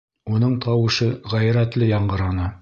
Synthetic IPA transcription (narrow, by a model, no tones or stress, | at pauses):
unɤɴt̪ʰɑwɤ̆ʃɤʁæjɾæt̪lɘjɑɴɢɤ̆ɾɑnɤ